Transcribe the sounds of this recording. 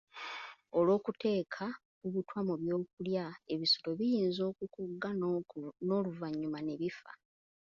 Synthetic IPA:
olo̞ːkute̞ːkʰa | kuβitwamuβjo̞ːkuljae̞βiso̥to̞βijiːnzo̞ːkukuɡːa | no̞ːluvaɲːumane̞βifa̰

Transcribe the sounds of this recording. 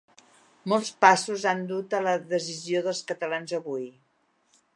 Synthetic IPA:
molˠspasuzand̪ut̪ələðəzizioðəlˠskət̪əlanzəβuj

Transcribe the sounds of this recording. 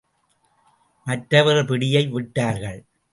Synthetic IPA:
mɐʈɾɐʋɐɾɯpɪɽɪjɐɪʋɪʈːaːɾɣɐɭ

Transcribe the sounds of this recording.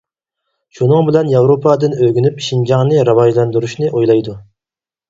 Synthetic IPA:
ʃunɨŋbɪlɛnjɑwɾopʰɑd̪ɨnøɡʲinypʃind͡ʒɑŋnɨɾɑwɑʒlˠɑnd̪uɾuʃnɨʔojlˠɑjd̪u

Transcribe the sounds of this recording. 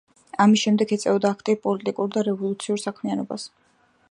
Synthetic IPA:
amisʃɛmd̪ɛɡɛt̪sʼɛvɔd̪aːkʰt̪ʼipʼɔlit̪ʼikʼuɾd̪aɾɛvɔlˠut̪sʰiuɾsakʰmianɔba̰s

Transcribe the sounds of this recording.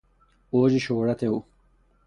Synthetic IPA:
oːd͡ʑiɕoːɽɐt̪eu

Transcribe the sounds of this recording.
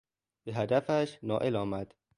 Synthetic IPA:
b̥eɦæd̪æfæʃnɒːʔelɒːmæd̪̥

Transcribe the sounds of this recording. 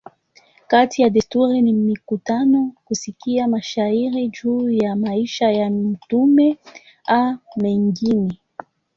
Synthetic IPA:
katijaɗɛstuɾinimikutanɔkusikiamaʃaiɾid͡ʒuːjamaiʃajam̩tumɛ | amɛŋɡinɛ

